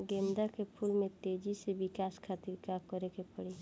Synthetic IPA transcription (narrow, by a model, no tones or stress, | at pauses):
ɡeːmd̪akepʰʊlmẽt̪eːd͡ʒiseʋɪkaːskʰaːt̪ɪɾkakəɾekepəɽe